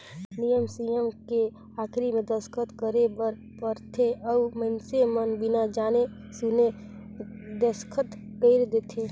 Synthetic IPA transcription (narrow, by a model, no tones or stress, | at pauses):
nijəmsijəmke | aːkʰɾimẽd̪əskʰət̪kəɾebəɾ | pəɾt̪ʰeɔmənsemənbɪnad͡ʒaːne | sune | d̪əskʰət̪ | keɪɾd̪eːt̪ʰeː